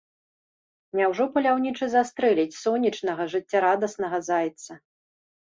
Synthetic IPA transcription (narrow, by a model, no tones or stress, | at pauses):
nʲawʐɔpɐlʲawnʲit͡ʂɨzast̪ɾɛlʲit͡sʲsɔnʲːit͡ʂnɐɣɐʐɨt͡sʲːaɾad̪ɐsnɐɣɐzajt̪sɐ